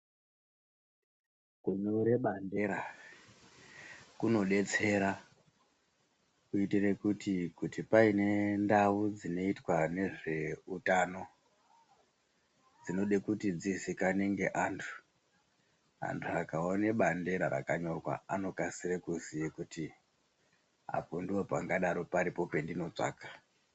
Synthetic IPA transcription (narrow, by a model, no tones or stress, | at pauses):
kuɲouɾeɓande̞ɾa | kuno̞ɗe̞t͡se̞ɾa | kuitire̞kutikutipaine̞ndawud͡zino̞itwane̞ʐe̞utano̞ | d͡zino̞ɗekutid͡zisikane̞ŋɡe̞ʔantʰu̥ | a̰ntʰuakaoneɓande̞ɾaɾa̰kaɲo̞kwa̰ano̞kasirekuziikuti | a̰ponduwopaŋɡaɗaɾo̞paɾipo̞pe̞ndino̞t͡ʂa̰ːkḁ